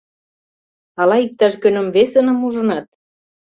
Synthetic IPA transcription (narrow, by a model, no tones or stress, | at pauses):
ɑlɑik̚t̪ɑʃkønə̆mvesə̆nə̆muʒənɑt̪̚